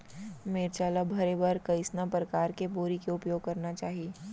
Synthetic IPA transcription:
meːɾt͡ʃaːlabʱɐɾebɐɾkɐɪsnãpɾɐkaːɾkeboːɾikeoʊpjoːɡ̚kɐɾnat͡ʃaːɦieː

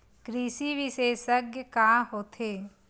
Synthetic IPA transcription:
kɾiːsiʋɪʃeːsəɡjəkaːɦoːt̪ʰeː

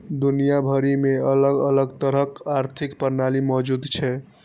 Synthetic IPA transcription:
d̪unijabʱəɾimeələɡələɡt̪əɾəkaɾt̪ʰikpəɾnalimɔd͡ʒud̪t͡ʃʰɛ

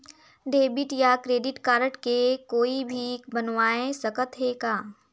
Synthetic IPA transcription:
ɖeːbɪʈjakɾeːɖɪʈkaːɾəʈkekoːibʱibənʋaːẽsəkət̪ɦeːkaː

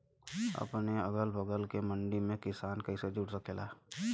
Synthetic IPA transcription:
ɐ̰pneəɡəlbʱəɡəlkemə̃ɳɖimẽkɪsaːnkəised͡ʒuʈsəkeːlaː

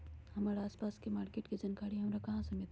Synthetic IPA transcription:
hɐmaːɾaaːspaːskemaːɾkeːʈkid͡ʒɐnkʰaːɽiɦɐmɾakɐɦãsɐmɪlt̪

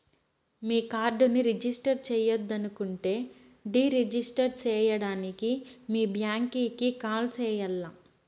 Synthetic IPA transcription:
miːkaːɾɖuniɾid͡ʒisʈɐɾt͡ʃɛːjɐd̪ːɐnukuɳʈe̞ː | ɖiːɾed͡ʒisʈɐɾt͡ʃɛːjɐɽaːnikimiːbjaːŋkiːkikaːlt͡ʃɛːjɐlːa

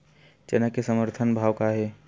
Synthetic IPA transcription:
t͡ʃenakesəməɾt̪ʰənbʱaːwkaɦɛ

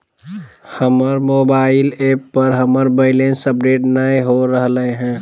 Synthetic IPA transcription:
həməɾmoːbaːɪleːpːəɾɦəməɾbəɪlẽnsəpɾeːʈnəjɦoɾəɦləeɦɛ̃ː

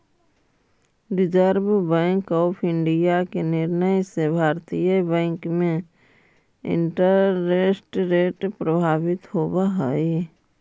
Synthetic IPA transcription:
ɾɪd͡ʒəɾbbɛ̃ːŋkɔːpʰɪ̃ɳɖijakenɪɾnəjsebʱaːɾt̪ijəbɛ̃ːŋkmẽ | ɪ̰̃ɳʈəɾːesʈɾeːʈpɾəbʱaːbɪt̪hoːbaɦi

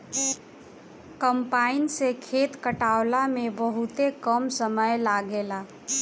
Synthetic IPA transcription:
kəmpainsekʰet̪kəʈawlamebəɦut̪ekəmsəməjlaɡela

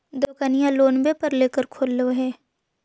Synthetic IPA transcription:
d̪oːkənijãloːnbepɐɾleːkəɾkʰoːlːoɦɛː

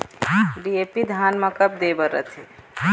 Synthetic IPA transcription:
ɖiepid̪ʱanməkəp̚d̪ebəɾə̰t̪ʰi

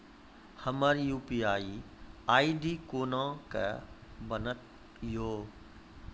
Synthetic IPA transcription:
hɐməɾjuːpiːaːi | aːiɖiːkoːnãkə̰bɐnət̪ | joː

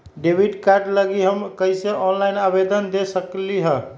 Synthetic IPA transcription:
ɖebʱiɖkaɾɖləɡiɦəmkəiseʔɔnlajnabed̪ənd̪esəkliɦə

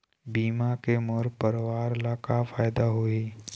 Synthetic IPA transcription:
biːmakemoɾpəɾʋaːɾlaːkafaːɪd̪aɦoiː

